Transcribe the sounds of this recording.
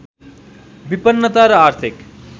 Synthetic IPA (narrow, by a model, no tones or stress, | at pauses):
bipənːət̪aɾaɾt̪ʰik